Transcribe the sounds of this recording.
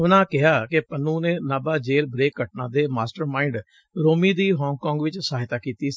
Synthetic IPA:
ʊnãːkɪɦaːkɪpənːũːneːnaːbaːd͡ʒeːlbɾeːkːəʈnãːd̪eːmaːsʈəɾmaːɪɳɖ | ɾoːmiːd̪iːɦɔːŋɡkɔ̃ːŋɡʋɪt͡ʃsaːɦɪt̪aːkiːt̪iːs

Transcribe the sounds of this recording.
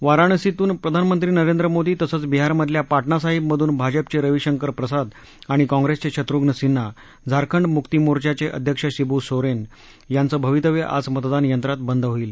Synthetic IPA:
ʋaɾaɳ̃sit̪uːnpɾəd̪ʱanmənt̪ɾiːnəɾend̪ɾəmod̪iːt̪əsəːt͡sbiɦaɾməd̪ʱljapaʈɳasaɦib̚məd̪ʱuːnbʱad͡ʑəp̚t͡seɾəʋiɕəŋkəɾpɾəsad̪ | aɽ̃ikɔ̃ŋɡɾest͡ɕeɕʰət̪ɾuɡnəsinːa | d͡zʱaɾkʰəɳɖmukt̪imoɾt͡ɕat͡ɕeʔə̰d̪ʱjəkʂəɕibusoɾen | jant͡səːbʱəʋit̪əʋeʔa̰d͡zmət̪d̪anjənt̪ɾat̪̚bənd̪ʱɦoiːl

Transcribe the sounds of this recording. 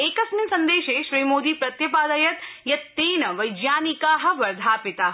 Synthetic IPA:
eːkɐsminsɐ̃nd̪eːʃeːʃɾiːmoːd̪iːpɾɐt̪jɐpaːd̪ɐjɐt̪jɐt̪ːeːnɐʋɐjd͡ʒjaːnikaːɦɐ̆ʋɐɾd̪ʱaːpɪt̪a

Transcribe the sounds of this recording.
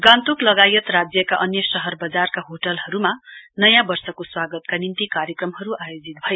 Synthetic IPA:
ɡãnt̪uklʌɡajʌt̪rad͡zjʌkaʔʌnjʌsʌɦʌrbʌd͡zarkaɦoʈʌlɦʌɾumanʌjãbʌrsʌkoswaɡʌt̪kanint̪ikaɾjʌkrʌmɦʌɾuʔajod͡zit̪̚bʱʌje

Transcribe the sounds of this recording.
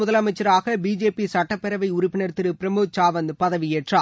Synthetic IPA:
ʊðɐlɐmɐɪt͡ʃːɐɾaːɣɐbiːd͡ʒeːpisɐʈːɐpːɛɾɐʋɐɪʊɾʊpːɪnɐɾt̪ɪɾɯpɪɾɐmɯt͡ʃaːʋɐnd̪pɐðɐʋɪjeːʈraː

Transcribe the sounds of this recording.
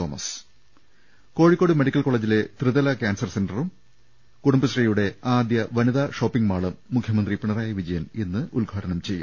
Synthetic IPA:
t̪o̞ːmɐ̰s | ko̞ːɻikʲːo̞ːɽume̞ɽikʲːɐlko̞ːɭeːd͡ʑile̞t̪rɨðɐlɐkʲaːnsɐrsenɖɐrum | kuɽumbɨsrijuɽe̞aːd̪jɐʋɐniðaːʂo̞ːpːiŋɡmaːɭɐmːukʰjɐmɐnd̪ripiɳɐraːjɐʋid͡ʑɐjɐne̞nːɨʔulɡʱaːɽɐnɐmt͡ɕe̞jːa̰

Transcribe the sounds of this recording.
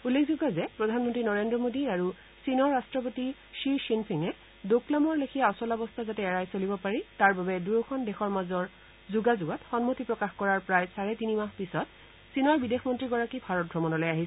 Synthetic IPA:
ulːekʰzuɡɔzɛpɹɔdʱanmɔntɹinɔɹendɹɔmodiaɹu | sinɔɹːastɹɔp̬oti | ʃiɹʃinpʰiŋɛ | doklamɔɹlekʰijaɔsɔlɔbɔstʰazatɛːɹajsolibɔpaɹitaɹbabɛduɹɔkɔndɛxɔɹmazɔɹ | zuɡazʊɡɔtxɔnmotipɹɔkaxkɔɹaɹpɹajsaɹɛtinimaxpisɔt̚ | sinɔɹbidexmɔntɹiɡɔɹakibʱaɹɔt̚ɡʱɹɔmɔnɔlɔjaɦis

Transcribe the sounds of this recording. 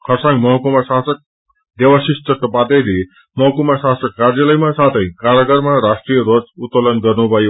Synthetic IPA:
kʰʌrsãŋɡmʌɦkumasasʌk̚ | d̪ewasist̪ʌt̪əpat̪eɾi | mʌɦkumasasʌkːaɾjalʌjmasat̪ʰʌj̃kaɾʌɡʌɾmaɾasʈrijeɾod͡zut̪ːolʌnɡʌrnubʱʌjo

